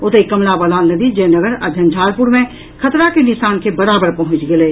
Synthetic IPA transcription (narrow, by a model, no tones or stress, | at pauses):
ʊt̪ekːɐmlaʋəlaːnəd̪id͡ʒeːnəɡəɾəd̪ʱjənd͡ʒʱaːlpʊɾmẽ | kʰɐt̪ɾakenɪʃaːnkebɐɾaːbəɾpɐɦʊ̃t͡ʃɡɐleː